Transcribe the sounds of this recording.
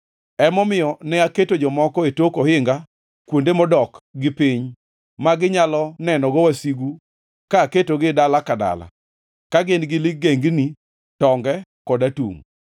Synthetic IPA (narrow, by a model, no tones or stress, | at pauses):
ɛmɔmɪjɔnɛaketod͡ʒɔmɔkɔetokohɪŋɡa | kwondemɔdɔkɡɪpiɲ | maɡɪɲalɔnɛnɔɡɔwasiɡu | kaːketoɡɪdalakada̰la̰ | kaɡenɡɪlɪɡeŋɡni | tɔŋɡɛkɔdatṵŋ